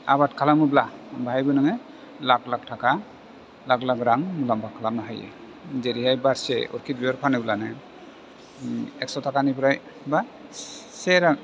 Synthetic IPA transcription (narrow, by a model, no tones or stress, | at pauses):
a̰βatkʰalamɯblabaajbɯnaŋɯ | laklak̚tʰaka | laklakɾaŋmulambakʰalamnaɦajḛ | zeɾiɦajbaɾsḛɔ̰ɾkʰit̚biɔɾpʰanɯblanɯ | ɛk̚sɔtʰakanipɾaj | ba | seɾaŋ